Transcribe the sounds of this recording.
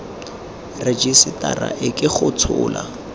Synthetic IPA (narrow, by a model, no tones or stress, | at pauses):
red͡ʒisɪtʼaraʔɪkʼɪχʊt͡sʰʊːla